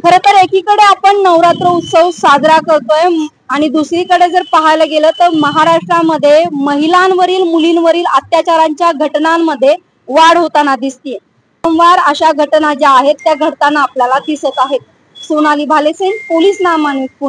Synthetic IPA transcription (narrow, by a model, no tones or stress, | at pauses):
kʰəɾət̪əɾekiːkəɽeapəɳnəʋɾat̪ɾəut̪səwsad͡zɾakəɾt̪oje | aɽ̃id̪usɾikəɽed͡zəɾpaɦajləɡelət̪əɾməɦaɾaʂʈɾaməd̪ʱːjeməɦilanʋəɾiːlmuliːnʋəɾiːlat̪jat͡ɕaɾaɲt͡ɕjaɡʱəʈnamːəd̪ʱːje | ʋaɽɦot̪anad̪ist̪ije | səmʋaɾəɕaɡʱəʈnad͡ʑaaɦet̪ːjaɡʱəɽt̪anːaːpljalad̪isət̪aɦet̪̚ | sonaliːbʱalesenpoliːsnamanipun